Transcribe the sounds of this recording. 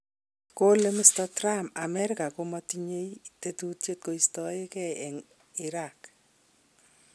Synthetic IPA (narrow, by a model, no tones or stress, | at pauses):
kolemistɔtɾamamɛɾɪkakomɔtiɲeitetutjet̚koistɔɪkɛɛŋ | iɾak